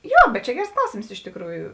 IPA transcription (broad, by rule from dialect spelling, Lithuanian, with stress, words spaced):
ˈjoː bʲɛt t͡ʃʲɛ ˈɡʲɛrs ˈklˠɐʊsʲeːms ɪʃ tʲɪkˈruːjʊ